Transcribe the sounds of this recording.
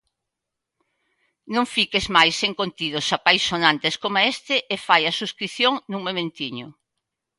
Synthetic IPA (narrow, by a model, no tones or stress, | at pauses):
nõŋfikezmajseŋkont̪iðʊsapajsːonãnt̪eskomaest̪ɪʔːfajɐsuskɾiθjoŋnũŋmomẽnt̪iɲʊ